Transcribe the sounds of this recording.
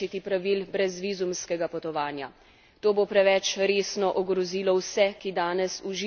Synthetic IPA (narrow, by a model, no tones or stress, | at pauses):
it̪ipɾaʋiːlbɾɛzʋiːzumskɛɡapɔt̪ɔʋaːnja | t̪oːbopɾɛʋɛt͡ʃɾeːsnɔʔɔɡɾɔziːlɔwsɛkid̪aːnɛsuʒi